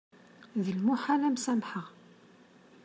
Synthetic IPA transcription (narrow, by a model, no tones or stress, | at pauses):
ðəlmuħalæmsæmħəʁ